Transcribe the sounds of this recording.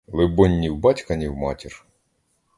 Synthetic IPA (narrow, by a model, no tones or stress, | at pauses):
lˠɪbɔnʲːiwbɑtʲkɐnʲiwmɑtʲir